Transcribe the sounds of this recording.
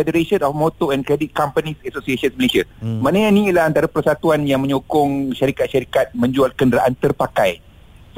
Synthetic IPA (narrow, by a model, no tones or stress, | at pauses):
fɛdəɾeʃənɔfmot̪oɛ̃nkɾɛdit̪̚kampanĩsɛsosiesənsməlesiamãnəɲãnĩlaɦant̪aɾapərsat̪uanjaŋmə̃ɲokʊŋʃaɾikat̪̚ʃaɾikat̪̚mə̃ɲd͡ʒualkəndəɾaʔant̪ərpakaj | s